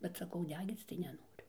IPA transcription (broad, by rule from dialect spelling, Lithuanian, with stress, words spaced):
bʲɛt sɐˈkɐʊ ˈdʲæːɡʲiːt͡s tɐɪ nʲɛˈnoːrʲʊ